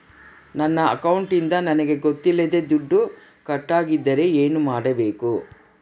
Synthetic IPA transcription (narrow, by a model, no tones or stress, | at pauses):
nɐnːɐɐ̰kɐwɳʈind̪ɐnɐnɐɡe̞ɡot̪ːilːɐd̪e̞d̪uɖːu | kɐʈːaːɡid̪ːɐɾe̞eːnumaːɽɐbe̞ːku